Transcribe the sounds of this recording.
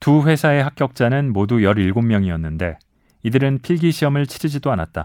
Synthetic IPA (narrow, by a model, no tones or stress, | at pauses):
tuɸwe̞sʰae̞ɦak̚k͈jʌk̚t͡ɕ͈anɯnmodujʌɾiɭɡommjʌŋiʌnːɯnde̞ | idɯɾɯnpʰiɭɡiɕʰiɦʌmɯɭt͡ɕʰiɾid͡ʑidoana̰t̚t͈a̰